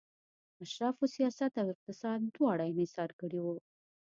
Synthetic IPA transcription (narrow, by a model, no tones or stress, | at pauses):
aʃɾɑfosijɑsat̪awɪq̚t̪ɪsɑd̪̚d̪wɑɽajɪnɪsɑɾkəɽiwu